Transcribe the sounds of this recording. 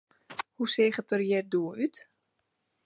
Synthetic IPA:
huseːχətərjɛrduəɾyt

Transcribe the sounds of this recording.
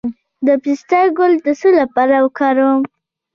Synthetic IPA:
m | d̪əpisʈ̪aɡold̪əsəlapɑɾawəkɑɾawm

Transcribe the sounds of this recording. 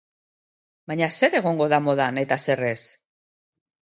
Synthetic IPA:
bajɲase̞ɾe̞ɣo̞ŋɡo̞ðamo̞ðane̞t̪ase̞re̞s

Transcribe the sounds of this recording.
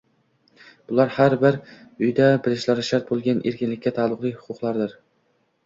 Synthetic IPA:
b̥ʊlˠaɾhaɾbɪɾ | ʊjd̪abɪlɪʃlaɾɪʃaɾt̪̚bolˠɡʲanʔeɾkʲɪnlɪkʲːat̪ʰalˠːʊqlˠɪjhʊ̥qʰʊqlˠaɾd̪ɪɾ

